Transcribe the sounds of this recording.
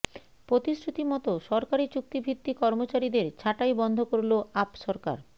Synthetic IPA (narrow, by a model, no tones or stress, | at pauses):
pɾot̪isɾut̪imɔt̪oʃɔɾkaɾit͡ɕuk̚t̪ibʱit̪ːikɔɾmot͡ɕaɾid̪eɾt͡ɕʰaʈajbɔnd̪ʱokoɾloapʃɔɾka̰ɾ